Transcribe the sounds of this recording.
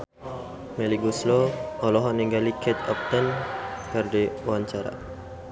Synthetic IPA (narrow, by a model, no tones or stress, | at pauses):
mɛliɡusloɔlɔɦɔniŋɡalikʰɛt̪̚ɔp̚t̪ənkərdeuwaɲt͡ʃaɾa̰